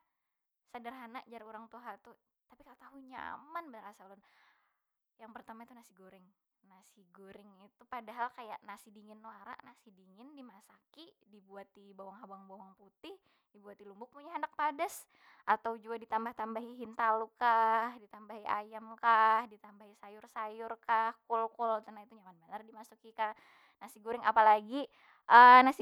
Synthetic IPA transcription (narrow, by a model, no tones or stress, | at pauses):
sadərɦanaʔd͡ʒaɾiuɾaŋt̪uɦat̪u | t̪apikalat̪aɦuɲa̰manbənərasalʊn | jaŋpərt̪amait̪unasiɡuɾɪŋ | nasiɡuɾɪŋit̪upadaɦalkajaʔnasidiŋɪnwaɾa̰ʔnasidiŋɪndimasakidibuat̪ibawaŋɦabaŋbawaŋput̪ɪh | dibuat̪ilumbʊk̚muɲaɦandak̚padas | ʔat̪awd͡ʒuadit̪ambaht̪ambaɦiɦint̪alukahdit̪ambaɦiajamkahdit̪ambaɦisajʊrsajʊrkahkɔlkɔlt̪ənait̪ud͡ʒamanbənardimasukika | nasiɡuɾɪŋapalaɡi | ʔənasi